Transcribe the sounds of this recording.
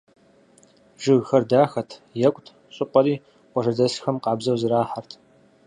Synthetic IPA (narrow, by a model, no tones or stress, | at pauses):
ʒɨɣxɐrdaːxɐtʰjɛkʷʼtʰ | ɕʼɪqʷʼɐɾiː | qʷɔʐɐdɐsxɐmqɑːbzɐwzɨɾaːħartʰ